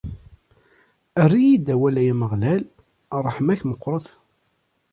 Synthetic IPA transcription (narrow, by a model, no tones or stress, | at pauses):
ərːijid̪æwælæjæməʁlæl | ɾˤəħmæçməqʷːɾˤɑθ